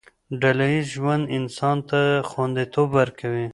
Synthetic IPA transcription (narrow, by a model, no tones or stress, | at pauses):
ɖalaiʒwand̪ɪnsɑnt̪axwand̪it̪obːaɾkawi